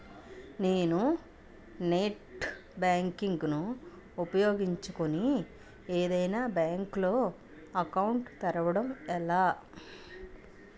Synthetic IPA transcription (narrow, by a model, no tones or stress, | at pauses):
ne̞ːnu | neːʈbaːŋkiŋɡnu | upɐjo̞ːɡiɲt͡ʃukuni | eːd̪ɐjnaːbjaːŋklo̞ː | ɐkɐwuɳʈt̪ɐɾɐʋɐɽɐmɛlːaː